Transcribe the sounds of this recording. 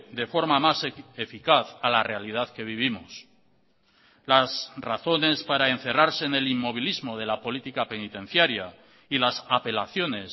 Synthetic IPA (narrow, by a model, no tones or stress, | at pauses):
d̪e̞fo̞ɾmamasefikaθalare̞alið̞aðke̞β̞iβ̞imos | lasraθo̞ne̞spaɾaen̟θe̞raɾse̞ne̞limːo̞β̞ilizmo̞ð̞e̞lapo̞lit̪ikape̞nit̪ẽ̞n̟θjaɾja | ilasape̞laθjo̞ne̞s